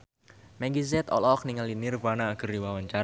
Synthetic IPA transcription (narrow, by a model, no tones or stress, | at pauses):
mɛɡizɛt̪ɔ̰lɔk̚niŋalinɪrvanaːɡ̥ərdiwawaɲt͡ʃa